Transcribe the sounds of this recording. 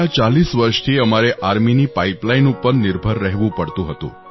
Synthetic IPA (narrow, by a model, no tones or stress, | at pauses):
at͡ʃalisʋəɾʃt̪ʰiəmaɾeʔaɾminipaiplainũpəɾnɪɾbʱəɾːəɦʋũpəɽt̪ũɦət̪ṵ̃